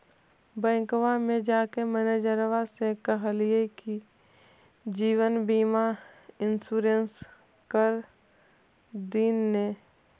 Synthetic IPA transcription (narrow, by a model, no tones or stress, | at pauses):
bɛ̃ːŋkʋamẽd͡ʒaːkeməned͡ʒəɾʋasekəɦlɪeki | d͡ʒiːwənbiːmaɪnsuːɾens | kəɾ | d̪iːnːe